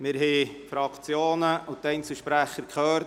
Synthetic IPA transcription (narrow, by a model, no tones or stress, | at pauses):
mɪɾɦɛfɾɑkʰt͡sjoːnəʊt̪ɛɪnt͡sl̩ʃpɾæχəɾkχœːɾ